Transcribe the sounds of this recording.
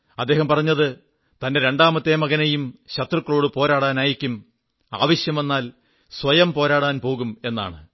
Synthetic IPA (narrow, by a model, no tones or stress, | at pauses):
ɐd̪ːe̞ːɦɐmpɐrɐɲːɐðɨ | t̪ɐnde̞ɾe̞ɳɖaːmɐt̪ːeːmɐɣɐnejumɕɐt̪rɨkːɐɭoːɽɨpo̞ːɾaːɽaːnaːjikʲːum | a̰ːʋɐɕjɐme̞nːaːl | sʋɐjɐmpo̞ːɾaːɽaːnpo̞ːɣume̞nːa̰ːɳɨ̰